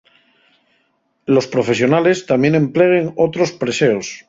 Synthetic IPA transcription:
lo̞spɾo̞fe̞s̬jo̞nale̞st̪amje̞nẽ̞mple̞ɣeŋo̞t̪ɾo̞spɾe̞seos

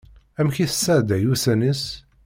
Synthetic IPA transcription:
æmçiθəsːæʕd̪æjuθænəs

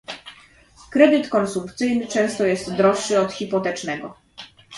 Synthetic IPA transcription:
kɾɛd̪ɘt̪kɔnsumkt̪sɘjnɘt͡ʂɛ̃w̃st̪ɔjɛst̪d̪ɾɔʂːɘɔt̪xʲipɔt̪ɛt͡ʂnɛɡɔ

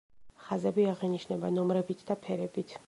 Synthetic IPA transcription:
χazɛbiaʁiniʃnɛbanɔmɾɛbit̪ʰd̪apʰɛɾɛbit̪ʰ

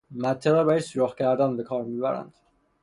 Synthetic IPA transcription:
mæt̪ʰːeʁɛbæjesuɾoχcʰæɾd̪ænbekʰɒːɾmibæɾæ̰nd̪̥

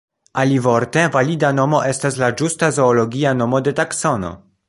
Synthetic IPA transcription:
alivoɾte̞validano̞mo̞ʔe̞stas̬lad͡ʒustazo̞ːlo̞ɡʲiano̞mo̞de̞taksono̞̰

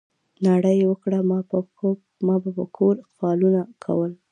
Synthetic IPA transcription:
naɽəjwəkɽam | mɑbapəkʰoɾfɑlunakʰa̰wəl

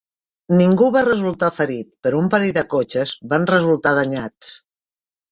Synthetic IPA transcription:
niŋɡuβarəzulˠt̪afəɾit̪̚pəɾoumpaɾiðəkot͡ʃəzβanrəzulˠt̪að̞əɲat͡s

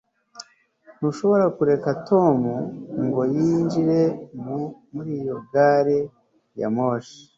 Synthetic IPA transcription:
nuʃo̞βo̞ɾakuɾe̞kato̞muŋɡo̞jiːnd͡ʒiɾe̞mumuɾiːjo̞ɡaːɾe | ja̰moʃi̥

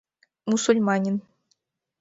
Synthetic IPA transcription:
musulʲmɑnʲin

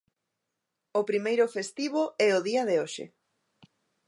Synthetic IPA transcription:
ʊpɾimejɾʊfest̪iβ̞oʔɛoðiɐðeoʃɪ̰

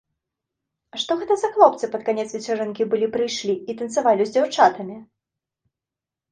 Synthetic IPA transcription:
ʂt̪ɔɣɛt̪ɐzɐxlˠɔp̚t̪sɨpɐt̪̚kanʲɛt̪svʲɛt͡saɾɛnkʲibɨlʲipɾɨjʂlʲiːt̪ɐnt̪sɨvalʲiwzʲd͡zʲawt͡ʂat̪ɐmʲi

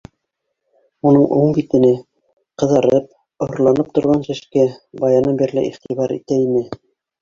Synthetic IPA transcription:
unɤɴʔuɴbit̪ɘ̆nɘ | qɤ̆ðɑɾɤp̚ | ŏŏɾlˠɑnɤp̚t̪ŏɾʁɑnsɘ̆ʃkæbɑjɑnɤnbiɾlɘ̰ʔiχt̪iβɑɾḭt̪æinɘ

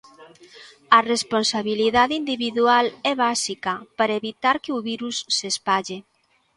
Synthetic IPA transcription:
ɐresponsaβiliðaðeind̪iβiðualɛβasikɐpaɾaeβit̪aɾkeuβiɾusːespaʎe

